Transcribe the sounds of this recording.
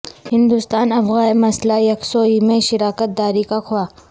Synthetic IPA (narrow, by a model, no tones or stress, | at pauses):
hɪ̃nd̪ust̪aːnɐfɣaːemɐslajɐksoːimẽʃɪɾaːkət̪̚d̪aːɾikakʰʊaː